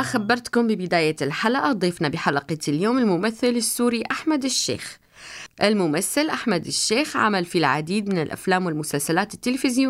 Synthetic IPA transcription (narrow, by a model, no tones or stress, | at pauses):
axabːɑɾˤt̪kʊmbɪbɪd̪aːjaɪlħalʔad̪ˤiːfnabɪħalɑqɑt̪ɪljoːmɪlmʊmaθːɪlɪsːuːɾiʔaħmad̪ɪʃːḛːx | ʔɪlmʊmaθːɪlʔaħmad̪ɪʃːeːxʕa̰malfilʕa̰d̪iːd̪mɪnɪlʔa̰flaːmwɪlmʊsalsalaːt̪ɪt̪ːɪlfɪzju